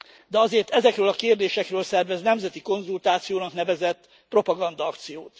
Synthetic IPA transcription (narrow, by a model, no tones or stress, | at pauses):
d̪ɛɒzeːrt̪ɛzɛkrøːlɒkeːrd̪eːʃɛkrøːlsɛrvɛznɛmzɛt̪iko̞nzult̪aːt̪sijoːnɒknɛvɛzɛt̪ː | pro̞pɒɡɒnd̪ɒɒkt̪sijoːt̪